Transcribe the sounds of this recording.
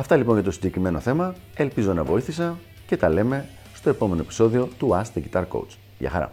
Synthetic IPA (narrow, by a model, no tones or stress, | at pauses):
ɐft̪ɐlipoɲʝɐt̪o̞siɲɟe̞kɾime̞no̞θe̞mɐ | e̞lpizo̞nɐvo̞iθisɐ | ce̞t̪ɐle̞me̞ | st̪o̞e̞po̞me̞no̞epi̥so̞ðio̞t̪uɐst̪ðiʝit̪ɐɾko̞̰wt͡s | ʝɐ̰xɐ̰ɾɐ̰